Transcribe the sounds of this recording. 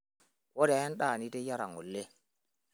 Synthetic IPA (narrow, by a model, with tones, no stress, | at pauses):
wɔ˦da˨a˦nɗa˦˨ni˦te˦ja˦ɾa˨ŋo̰˨lːe˦